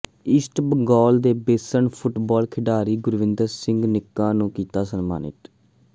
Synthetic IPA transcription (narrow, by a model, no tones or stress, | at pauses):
ɪsʈbɡɔːld̪eːbeːsəɳpʰʊʈbɔːlkʰɪɖaːɾiːɡʊɾʋɪ̃nd̪əɾsɪ̃ŋɡnɪkːãːnũːkiːt̪aːsənma̰ːnɪ̰ʈ